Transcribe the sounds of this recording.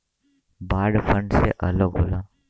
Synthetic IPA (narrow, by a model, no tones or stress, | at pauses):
baːɖfʰəɳɖsḛʔələɡɦoːlaː